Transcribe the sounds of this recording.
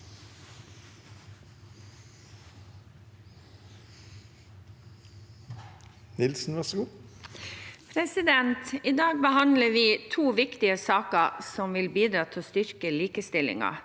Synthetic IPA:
nɪlsn̩ʋɑʂɡuː | pʰɾɛsɪd̪ɛnt̪id̪ɑːɡ̚bəhɑnləʋiːt̪ʰuːʋɪkt̪ɪəsɑːkəsɔmʋɪlbiːd̪ɾɑːt̪ʰɪlst̪ʏɾkəliːkəst̪ɪlɪ̰ŋɑ̰

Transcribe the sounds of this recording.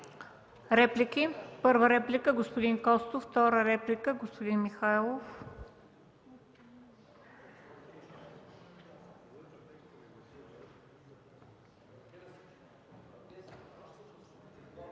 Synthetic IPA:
ɾɛplikipɤɾvəɾɛplikəɡospod̪inkɔst̪oft̪ɔɾəɾɛplikəɡospod̪inmixajlˠof

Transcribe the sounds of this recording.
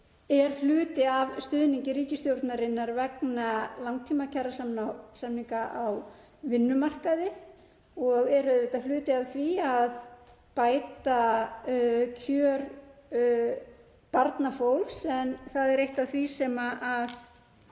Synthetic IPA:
ɛɾ̥flʏːt̪ɪavst̪ʏðniɲcɪɾiːcɪst̪jowɾt̪naɾɪnːaɾvɛknalawŋ̚t̪ʰiːmacʰɛrːasamnasamniŋkaʔaw | vɪnːʏmar̥kaðɪ | ɔɣɛɾʏðvɪːt̪aflʏːt̪ɪavθviað | paːjt̪a | cʰœːɾ | paɾt̪nafowlvsɛnθaðɛɾejht̪avθvisɛmaʔað

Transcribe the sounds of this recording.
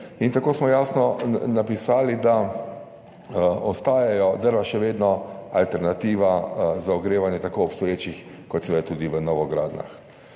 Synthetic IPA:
int̪akoːsmɔjaːsnɔnapisaːlid̪a | ɔst̪aːjajɔd̪əɾʋaʃɛʋeːd̪nɔalt̪ɛɾnat̪iːʋazaɔɡɾeːʋanjɛt̪akoːpst̪ɔjeːt͡ʃixkɔt̪sɛʋɛd̪at̪uːd̪iʋənɔʋɔɡɾaːd̪na̰x

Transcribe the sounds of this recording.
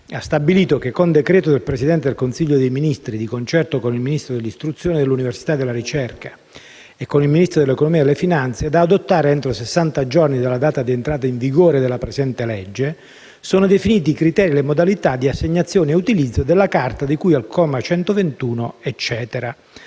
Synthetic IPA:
ast̪abːiliːt̪ok̟ekːond̪ekɾɛːt̪od̪elpɾesid̪ɛnt̪ed̪elkonsiʎːod̪ejminist̪ɾid̪ikont͡ʃɛrt̪okonilminist̪ɾod̪elːist̪ɾut̪sːjoːned̪elːuniversit̪ad̪ːelːaɾit͡ʃɛrkḁ | ekːonilminist̪ɾod̪elːekonomiad̪elːefinant̪sed̪aːd̪ot̪ːaːɾeɛnt̪ɾosesːant̪ad͡ʒornid̪alːad̪aːt̪ad̪ient̪ɾaːt̪aiɱviɡoːɾed̪elːapɾezɛnt̪elɛd͡ʒːe | soːnod̪efiniːt̪̬ikɾit̪ɛːɾilemod̪alit̪ad̪iasːeɲːat̪sːjoːnieut̪ilid̪zːod̪elːakart̪ad̪ikujalkʰɔːmat͡ʃɛnt̪ovent̪uːnoet͡ʃːɛːt̪eɾa

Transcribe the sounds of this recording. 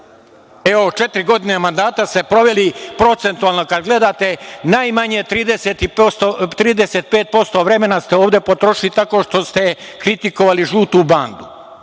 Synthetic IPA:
e̞ot͡ʃe̞t̪ɾiɡo̞d̪inemand̪aːt̪ast̪e̞pɾo̞ʋe̞lipɾo̞t̪se̞nt̪ualˠno̞kad̪ɡle̞d̪aːt̪e̞naːjmaɲe̞t̪ɾiːd̪eset̪ipsot̪ɾiːd̪ese̞t̪̚pe̞ːt̪̚po̞st̪o̞ʋɾe̞me̞nast̪eoːʋd̪e̞po̞t̪ɾo̞ʃilit̪ako̞ːʃt̪o̞st̪e̞kɾit̪iko̞ʋaliʒuːt̪uband̪u

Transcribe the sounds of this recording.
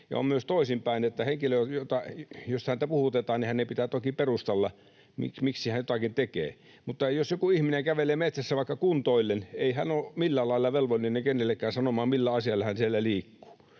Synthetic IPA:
jɑ̰o̰mmyøst̪oisimpæinet̪ːæheŋkiløjot̪ɑjoshænt̪æpuhut̪et̪ɑːnnihænnepit̪æt̪okiperust̪ɑlːɑ | mḭkmiksihænjot̪ɑkint̪ekḛː | mut̪ːɑjosjokuihmineŋkæʋeleːmet̪sæsːæʋɑˑikːɑkunt̪oilːeneihænoːmilːælɑilːɑʋelʋolʲinenːeŋkenːelːekːæːnsɑnomɑːmmilːæɑsiɑlːɑhænsielːæliːkːu̥ː

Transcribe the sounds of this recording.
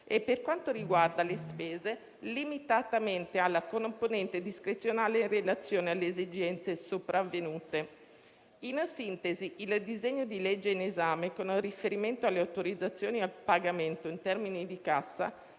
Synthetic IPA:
epːerkwant̪oɾiɡward̪alespɛːze | limit̪at̪ament̪ealːakonponɛnt̪ed̪iskɾet̪sːjonaːlerelat̪sːjoːnealːeezid͡ʒɛnt̪sesopɾavːenuːt̪e | insint̪eziild̪izeɲːod̪ilɛd͡ʒːeinezaːmekonurifeɾiment̪oalːeawt̪oɾid̪zːat̪sːjoːnialpaɡament̪oint̪ɛrminid̪ikasːa̰

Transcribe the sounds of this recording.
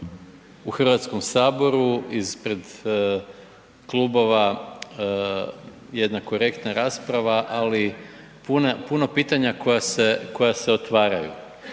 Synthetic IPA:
uxr̩ʋat̪sko̞msaːbo̞ɾuispɾe̞d̪ | klubo̞ʋa | je̞d̪nako̞ɾe̞kt̪naɾaːspɾaʋaʔali | punapuno̞piːt̪aɲako̞jase̞ko̞jaseot̪ʋaːɾa̰jṵ

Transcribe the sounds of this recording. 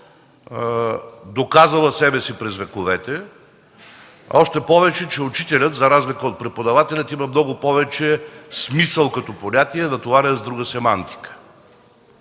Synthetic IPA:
d̪okazɐlˠəsɛbɛsipɾɛzvɛkovɛt̪ɛ | ɔʃt̪ɛpɔvɛt͡ʃɛt͡ʃɛut͡ʃit̪ɛlʲət̪zɐɾazlikəot̪̚pɾɛpod̪ɐvat̪ɛlʲɐt̪imɐmnɔɡʊpɔvɛt͡ʃɛsmisəlˠkɐt̪ɔponʲat̪iɛd̪ɐt̪ovaɾʲɛzd̪ɾuɡəsɛmant̪i̥kə̥

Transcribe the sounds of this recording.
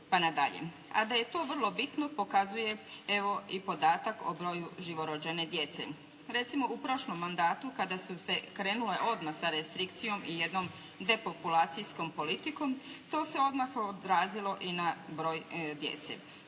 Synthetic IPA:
panad̪a̰ʎḛ | a̰d̪aje̞t̪o̞ːʋr̩lˠo̞bit̪no̞po̞kazuje̞e̞ʋo̞ipo̞d̪aːt̪ako̰bɾo̞ːjuʒiʋo̞ɾod͡ʒene̞d̪jet̪sḛ | ɾe̞t̪simo̞ʔupɾo̞ʃlomːand̪aːt̪ukad̪asuse̞kɾe̞ːnule̞ʔo̞d̪maxsaɾest̪ɾikt̪sijo̞mije̞d̪no̞m | d̪e̞po̞pulaːt̪sijsko̞mpo̞lit̪iko̞mt̪o̞ːse̞o̞d̪maxod̪ɾaːzilˠo̞ʔinabɾo̞ːjd̪je̞̰t̪sḛ

